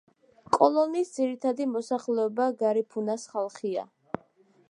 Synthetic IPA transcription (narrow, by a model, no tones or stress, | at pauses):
kʼɔlˠɔniːsd̪ziɾit̪ʰad̪imɔsaχlɛɔbaɡaɾipʰunasχalˠχia̰